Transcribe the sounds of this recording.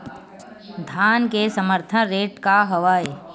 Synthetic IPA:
d̪ʱaːnkesəməɾt̪ʰənɾeːʈkaɦɐʋaːj

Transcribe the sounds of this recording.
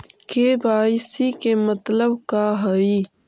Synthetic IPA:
kebaːisikemɐt̪ləbkaɦɐi

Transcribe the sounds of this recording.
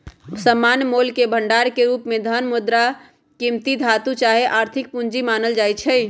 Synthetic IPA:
səmːanmolkebʱəɳɖaɾkeɾupmed̪ʱənmud̪ɾa | kimt̪id̪ʱat̪ut͡ʃaɦeʔaɾt̪ʰik̚pund͡ʒimanəld͡ʒajt͡ʃʰɛ

